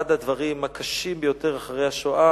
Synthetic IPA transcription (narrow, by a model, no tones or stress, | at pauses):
ad̪ad̪vaʁimakʰaʃimbejo̞t̪e̞ʁaχaʁejaʃoa